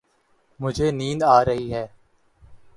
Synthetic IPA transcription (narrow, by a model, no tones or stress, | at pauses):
mʊd͡ʒʱeːniːnaːɾəɦiɦɛː